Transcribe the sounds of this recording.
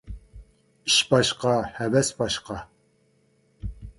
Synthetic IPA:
ɨʃbɑʃqɑhævɛsbɑʃqɑ

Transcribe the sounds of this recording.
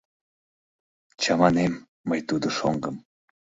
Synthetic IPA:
t͡ɕɑmɑnemː | əjt̪ud̪oʃoŋɡəm

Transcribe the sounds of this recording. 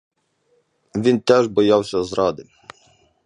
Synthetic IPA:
ʋʲint̪ɛʒbɔjɑwsʲɐzɾɑd̪ɪ

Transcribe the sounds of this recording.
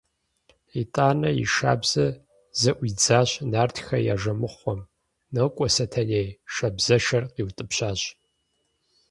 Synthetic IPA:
itʼaːnɐjḭʃa̰ːbz̥ɐ | zɐʔʷid͡zaːɕnaːrtʰxɐja̰ːʒɐmɨχʷɔm | nɨkʷʼɔsɐtʰɐneːjʃɐbzɐʃɐrqiːwtʼɨpɕaːɕ

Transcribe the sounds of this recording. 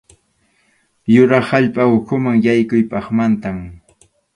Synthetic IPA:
jʊɾɑχaʎpaʊkʰʊmaŋjajkʊjpɑχmant̪am

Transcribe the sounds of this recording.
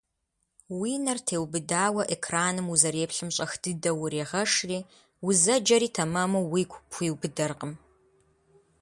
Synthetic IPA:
wiːnɐrtʰeːwbɨdaːwɐʔekʰraːnɨmuzɐreːpɬɨmɕʼɐxd̥ɨdɐwʊɾeːʁɐʂriː | wʊzɐd͡ʒɐɾiːtʰɐmɐmɐwiːkʷʰʼpxʷiːwbɨdɐrqəm

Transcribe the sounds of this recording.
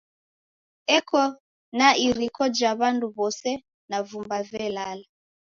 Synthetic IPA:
ɛkʰɔ | naiɾikʰɔd͡ʒaβanduβɔsɛ | navumbavɛlala

